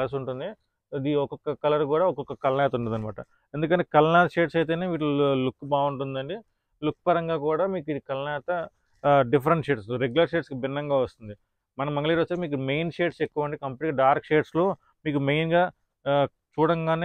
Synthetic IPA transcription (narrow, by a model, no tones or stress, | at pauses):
lɐs̬uɳʈund̪i | ɐd̪iɔkɔkːɐkɐlɐɾkuːɽaːɔkɔkːɐkɐlɐnɛːt̪uɳund̪ɐnima̰ːʈɐ | e̞nd̪ukɐɳʈːeːkɐlɐnaːt̪ɐʃeːʈsɐjt̪̬eːne̞ːʋiːʈ̬ulukːbaːuɳʈund̪ɐɳɖi | lukːpɐɾɐŋɡaːkuːɽaːmiːkiikɐlnɛːt̪ɐ | ɖipʰɐɾeɳʈʃeːʈsɾeɡulɐɾʃeːʈskibinːɐŋɡaːʋɐst̪und̪i | mɐnɐmɐŋɡɐliːɾʋɐst̪emiːk̬ume̞jnʃeːʈsekːuʋɐɳɖikɐmpeʈiɡɐɖaːɾkʃeːʈslo̞ː | miːkume̞jnɡaː | t͡ʃuːɽɐŋɡaːne